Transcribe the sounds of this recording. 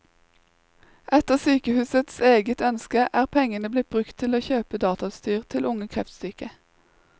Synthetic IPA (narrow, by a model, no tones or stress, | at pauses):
ʔɛt̪əʁsyːkəhʉːsət̪seːɡət̪œnskəʔæːʁpʰɛŋənəblɪt̪̚bʁʉkt̪ʰɪloːçøːpəd̪ɑːt̪ɑst̪yːʁt̪ʰɪlʊŋəkʰʁɛft̪st̪yːkə